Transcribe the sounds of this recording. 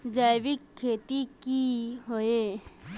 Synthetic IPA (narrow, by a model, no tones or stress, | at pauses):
d͡ʒajʋɪkʰːeːt̪ikiɦoe